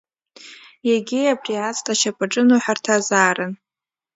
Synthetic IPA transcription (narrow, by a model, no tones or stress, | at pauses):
jaɡʲiabriat͡sʼtʼaʃapʼaʈ͡ʂʼɨnuħartʰazaːɾɨn